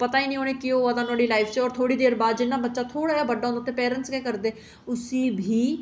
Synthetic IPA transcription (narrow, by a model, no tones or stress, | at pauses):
pət̪aːiːnĩːoːnẽːkɪoːaːd̪aːnʊaːɽiːlaːɪpʰt͡ʃeɔːɾt̪ʰoːɽiːd̪eːɾbaːd̪d͡ʒɪnːaːbətːʃaːt̪ʰoːɽaːjaːbəɖːaːõːnd̪aːt̪eːpɛːɾənskɛːkəɾd̪eː | ʊsiːbʱiː